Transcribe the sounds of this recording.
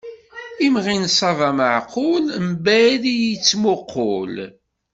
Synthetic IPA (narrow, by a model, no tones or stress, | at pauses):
imʁinsˤɑvɑməʕqʰʊlmbæðijit͡sːmoqʰːo̰l